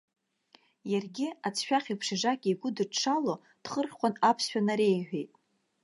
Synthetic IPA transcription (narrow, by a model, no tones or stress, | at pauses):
jarɡʲɪat͡sʰʃᶣaχʲipʰʂɪʐakʲʼiɡʷʊdɨʂʰalo | d̥χərχʲqʷanapʰsʃᶣanaɾejħᶣejtʼ